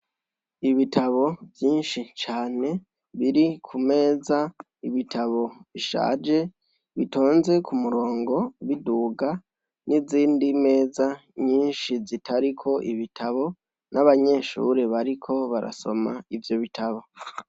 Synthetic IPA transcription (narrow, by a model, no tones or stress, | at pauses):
iβitʰaβo̞vjiːnʃit͡ʃaːne̞ | βiɾikʰume̞ːza | iβitʰaβo̞βiʃa̰ːd͡ʒe̞ | βito̞ːnze̞kumuɾo̞ːŋɡo̞βiduːɡa | niziːndime̞ːzaɲiːnʃizitʰaɾikʰo̞ʔiβitʰaβo̞ | nʔaβaɲe̞ʃṵɾe̞βaɾikʰo̞βaɾa̰so̞̰ma̰ivjo̞βitʰaβo̞